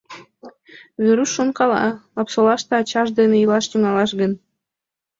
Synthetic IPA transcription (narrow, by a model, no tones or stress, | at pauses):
βʲeɾusːonkɑlɑ̰ɑpsolɑʃt̪ɤ̆ɑt͡ɕɑʒd̪eneilɑʃt̪yŋɑlɑʃɣən